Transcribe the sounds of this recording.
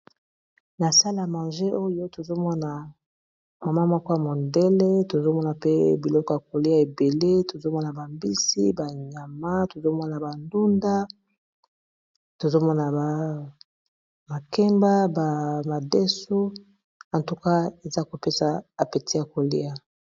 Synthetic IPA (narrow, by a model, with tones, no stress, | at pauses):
na˨sa˦la˨mã˨ʒe˦o˦jo˦to˨zo˦mɔ˦na˨ | ma˨ma˦mɔ˦kɔ˦ja˨mo˨nde˦le˦to˨zo˦mɔ˦na˨pe˦bi˨lɔ˦kɔ˦˨ja˨ko˨li˦a˦˨e˨be˨le˦to˨zo˦mɔ˦na˨ba˨mbi˦si˦ba˨ɲa˨ma˦to˨zo˦mɔ˦na˨ba˨ndu˦nda˦ | to˨zo˦mɔ˦na˨ba˨ | ma˨kɛ˦mba˦ba˨ma˨de˦su˦ | a˨ntu˨ka˦e˨za˦ko˨pe˦sa˨a˨pe˨tʰi˦ja˨ko˨lḭ˦a˨